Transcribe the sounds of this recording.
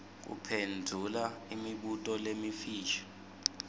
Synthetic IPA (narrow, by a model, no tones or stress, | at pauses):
k̬ṵpʰendʱulaimiɓutʼɔlemifiːt͡ʃʰḁ